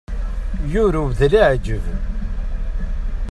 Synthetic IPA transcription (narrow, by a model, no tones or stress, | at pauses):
jʊɾuvðliʕd͡ʒəv